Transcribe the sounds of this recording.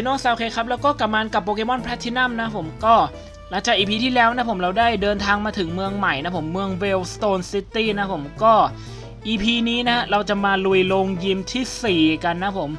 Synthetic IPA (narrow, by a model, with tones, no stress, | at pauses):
i˧noː˥˩ŋsaː˧wkʰeː˧kʰɾa˦˥p̚lɛː˦˥wkɔː˥˩ka˨˩maː˧nka˨˩pːoː˧keː˧mɔ˥˩npʰɾɛ˦˥t̪ʰːiː˧˩na˥˩mna˦˥pʰo˩˦mkɔː˥˩ | la˧˦ŋt͡ɕaː˨˩ʔiː˧pʰiː˧t̪ʰiː˥˩lɛː˦˥wna˦˥pʰo˩˦mɾa˧wdaː˥˩jdɤː˧nt̪ʰaː˧ŋmaː˧t̪ʰɯ˨˩˦ŋmɯ˧əŋma˨˩jna˦˥pʰo˩˦mːɯ˧əŋweː˧wst̪oː˧nsi˦˥t̪iː˥˩na˦˥pʰo˩˦mkɔː˥˩ | ʔiː˧pʰiː˧niː˦˥na˦˥ɾa˧wt͡ɕa˨˩maː˧lu˨˧˩jloː˧ŋji˧mt̪ʰiː˥˩siː˨˩ka˧nːa˦˥pʰo˩˦m